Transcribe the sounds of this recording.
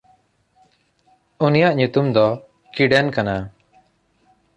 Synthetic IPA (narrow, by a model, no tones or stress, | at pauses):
unijaʔɲut̪umd̪ɔ | kiɖɛnkana